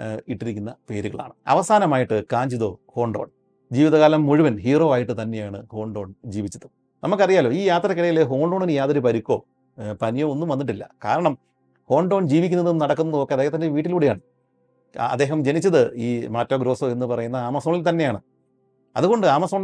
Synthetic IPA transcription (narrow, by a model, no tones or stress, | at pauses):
iʈːiɾikʲːunːɐpe̞ːɾuɣɐ̰ɭa̰ːɳɨɐ̰ʋɐsaːnɐmaːjiʈːɨkaːɲd͡ʑiðoːho̞ːɳɖoːɳ | d͡ʑiːʋiðɐɣaːlɐmːuɻuʋɐnɦiːro̞ːaːjiʈːɨt̪ɐnːe̞jaːɳɨho̞ːɳɖo̞ːɳd͡ʑiːʋit͡ɕːɐðɨ | nʔɐmukːɐrijaːlo̞ːiːjaːt̪rɐkiɽɐjileɦo̞ːɳɖoːɳinɨjaːðɐɾipɐɾikʲːo̞ː | pɐnjoonːumʋɐnːiʈːilːɐ̰ka̰ːɾɐɳɐm | ho̞ːɳɖo̞ːnd͡ʑiːʋik̬ʲːunːɐðenːɨnɐɽɐkːunːɐðuokːeɐd̪eːhɐt̪ɐndeʋiːʈ̬ːiluːɽejaːɳɨ | ɐ̰d̪ːe̞ːɦɐmd͡ʑe̞nit͡ɕːɐðɨiːmaːtːoɡɾo̞ːsoe̞nːɨpɐrɐjunːɐaːmɐsoːɳilt̪ɐnːe̞jaːɳɨ | ɐ̰ðuɣo̞ɳɖɨaːmɐsoːɳ